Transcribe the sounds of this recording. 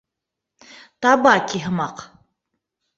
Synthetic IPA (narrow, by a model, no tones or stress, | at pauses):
tʰabaːkʲʰiɦəmaqʰ